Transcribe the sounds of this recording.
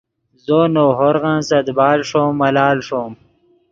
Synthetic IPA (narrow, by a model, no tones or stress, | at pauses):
zoːnoːɦoɾɣãnsɐd̪baːlʂoːmːɐlaːlʂoːm